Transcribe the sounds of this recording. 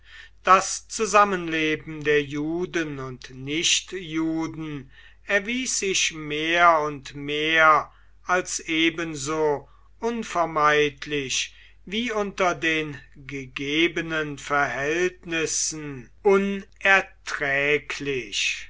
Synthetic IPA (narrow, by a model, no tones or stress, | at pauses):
d̥ast͡suzamənleːbm̩deːɐjuːdənʊntnɪɕtjuːdn̩ | ɛɐviːsz̥ɪçmeːɐʊntmeːɐ | ʔalsʔeːbənzoː | ʔʊnfɛɐmaɪtʰlɪç | viːʊntɐdeːnɡəɡeːbənənfɛɐhɛltnɪsn̩ʔʊnʔɛɐtʁ̥ɛːkʰlɪç